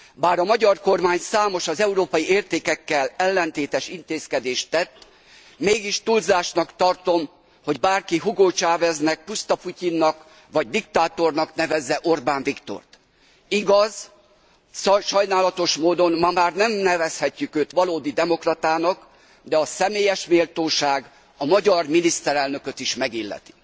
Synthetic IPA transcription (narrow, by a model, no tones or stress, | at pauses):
baːɾɒmɒɟɒrko̞rmaːɲsaːmo̞ʃɒzɛuɾoːpɒjieːrt̪eːkɛkːɛlɛlːɛnt̪eːt̪ɛʃint̪eːskɛd̪eːʃt̪ːɛt̪ː | meːɡiʃt̪ulzaːʃnɒkt̪ɒrt̪o̞m | ho̞ɟbaːrkiɦuɡoːt͡ʃaːvɛznɛk̚pust̪ɒpucinːɒk | ʋɒɟd̪ikt̪aːt̪o̞rnɒknɛvɛzːɛʔo̞rbaːɱvikt̪o̰rt̪ | iɡɒz | ʃɒjnaːlɒt̪o̞ʃmoːd̪o̞nːɒmaːrnɛmnɛvɛshɛcːykøːt̪ʋɒloːd̪id̪ɛmo̞krɒt̪aːnɒk | d̪ɛɒsɛmeːjɛʃmeːlt̪oːʃaːɡ | ɒmɒɟɒrminist̪ɛɾɛlnø̞køt̪iʃmɛɡilːɛ̰t̪i̥